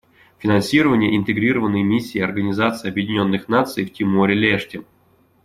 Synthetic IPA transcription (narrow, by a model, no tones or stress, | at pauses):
fʲɪnansʲiɾəvənʲɪjəʔɪnt̪ɨɡɾʲiɾəvənːɨjmʲisʲːiːɐrɡənʲɪzat̪sɨjɐbjɪdʲɪnʲo̞nːɨxnat̪sɨjftʲɪmoɾʲɪlʲeʂtʲɪ